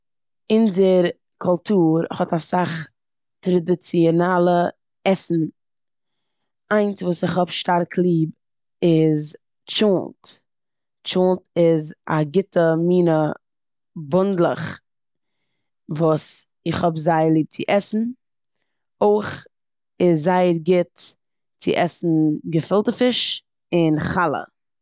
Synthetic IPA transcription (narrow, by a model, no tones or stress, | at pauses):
ɪnzəɾ | kʰʊlˠtʰuːɾɪχhɔtasaχ | tɾadɪt͡siɔnaːlˠə | ɛsn̩ | aɪnsvuːsɪχhɔbʃtaɾkʰlˠiːb | ɪz | t͡ʃult | t͡ʃuːntɪza̰ɡɪtəmiːnə | bʊndlˠə̰χ | vuːs | ɪχhɔbzaɪəɾlˠiːp̚t͡sɪʔɛsn̩ | oɪχ | ɪzzaɪəɾɡɪt | t͡sɪ̰ʔɛsn̩ɡəfɪlˠtəfɪʃ | ɪnχalˠə̰